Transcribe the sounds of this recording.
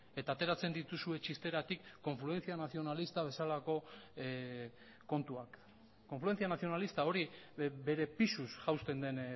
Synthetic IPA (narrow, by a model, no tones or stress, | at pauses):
e̞t̪aːt̪e̞ɾat͡se̞nd̪it̪usue̞t͡ʃist̪e̞ɾat̪ikːo̞ɱflue̞nt͡sianaθio̞nalist̪aβ̞e̞salako̞ | ko̞nt̪uakː | o̞ɱfluent͡sianaθio̞nalist̪ao̞ɾibe̞ɾe̞pisusʝawst̪e̞nd̪e̞n